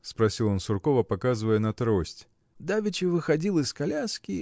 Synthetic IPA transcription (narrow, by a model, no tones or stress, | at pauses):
spɾɐsʲilˠonsʊrkovəpɐkazɨvəjənɐt̪ɾosʲtʲ | d̪avʲɪt͡ʃɪvɨxɐdʲilˠɨskalʲaskʲi